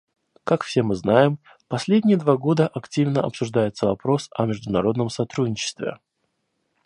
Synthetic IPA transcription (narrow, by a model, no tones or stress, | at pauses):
kakfsʲe̞mɨznajɪm | pɐsʲlʲedʲnʲɪjəd̪vaɡo̞d̪əʔɐktʲivnəɐ̰psʊʐd̪ajɪt̪səvɐpɾo̞sɐ̰mʲɪʐd̪ʊnɐɾo̞d̪nəmsɐt̪ɾudʲnʲɪt͡ɕɪ̥st̪vʲɪ̰